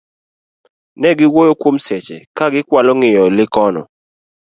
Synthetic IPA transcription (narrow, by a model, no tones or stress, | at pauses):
nɛɡɪwojokwomsɛt͡ʃɛkaɡɪkwalɔŋɪjɔlɪkɔnɔ̰